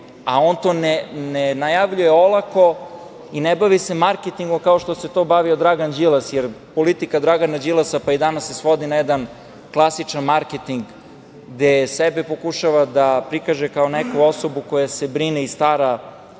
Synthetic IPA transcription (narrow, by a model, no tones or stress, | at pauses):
ao̞nt̪onenenajaʋʎuje̞olˠako̞ | inebaʋise̞maɾket̪iŋɡomkao̞ʃt̪o̞se̞t̪o̞ːbaʋiod̪ɾaɡand͡ʒilˠasjeɾpo̞lit̪ikad̪ɾaɡanad͡ʑilˠasapaid̪anasːe̞sʋo̞d̪inajɛd̪an | klˠasit͡ʃanmaɾket̪iŋɡ | ɡd̪esebepo̞kuʃaʋad̪apɾikaʒekaonekuo̞so̞bukojasebɾineist̪aɾa